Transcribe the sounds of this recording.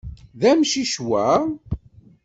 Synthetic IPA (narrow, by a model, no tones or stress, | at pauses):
ðæmʃiʃwæ